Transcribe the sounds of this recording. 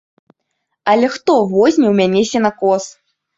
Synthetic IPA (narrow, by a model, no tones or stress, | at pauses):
ɐlʲɛxt̪ɔvɔzʲnʲɛwmʲanʲɛsʲɛnakɔs